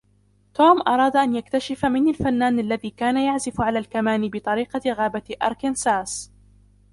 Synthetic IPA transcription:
t̪oːmʔɑɾˤɑːd̪aʔanjak̚t̪aʃɪfamɪnalfanːaːnʔalːaðiːkaːnajaʕzɪfʕalaːlkamaːnɪbɪt̪ˤɑɾiːqɑɣaːbaʔɑɾˤkɪnsaːs

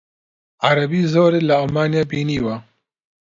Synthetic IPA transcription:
ʕaɾɐbiːzoːɾeːlɐalmaːnijaːbiːniːwa

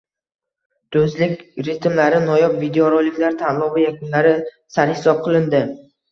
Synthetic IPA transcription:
d̪̥ɵzlɪkʲɾɪt̪mlaɾɪnɒjɒpvid̪eoɾɒlɪkʲlaɾt̪ʰanlˠɒvajakʊnlaɾɪ | saɾhɪ̥sɒp̚qʰɨlˠɪnd̪ɪ

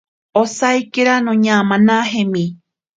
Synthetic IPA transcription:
osajkeɾanõɲãmãnãɦẽmĩ

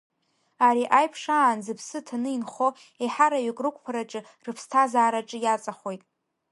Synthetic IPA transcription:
aɾiʔajpʰʂaːnzɨpʰsɨtʰanɨinχo̞ | eħaɾaɥɪkʼrɨkʷʰʼpʰaɾat͡ʃʼɨ | rɨpʰstʰazaːɾaʈ͡ʂʼɨjat͡sʼaχo̞jtʼ

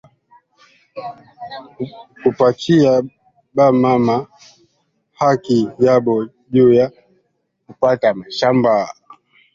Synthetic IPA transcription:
kupat͡ʃia | ɓamama | hakijaɓɔ | ʄuja | kupatamaʃamba

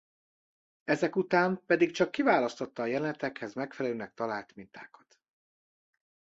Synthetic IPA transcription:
ɛzɛkut̪aːmpɛd̪ikt͡ʃɒkːivaːlɒst̪o̞t̪ːɒːjɛlɛnɛt̪ɛkhɛzmɛkfɛlɛløːnɛk̚t̪ɒlaːlt̪mint̪aːkɒ̥t̪

